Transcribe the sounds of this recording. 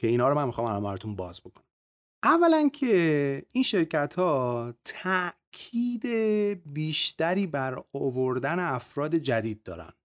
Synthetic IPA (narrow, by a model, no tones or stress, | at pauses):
cʰe̞inhɒːɾomænmixɒːmælɒ̰mbæɾot̪ʰunbɒːzbo̞kʰonæm | ʔævːælæncʰeinʃe̞ɾcæt̪ʰhɒːt̪ʰæʔkʰiːd̪ebiːʃt̪æɾiːbæɾovoɾd̪æne̞æfɾɒːd̪e̞d͡ʒæd̪iːd̪̚ːɒ̰ːɾæ̰nd̪̥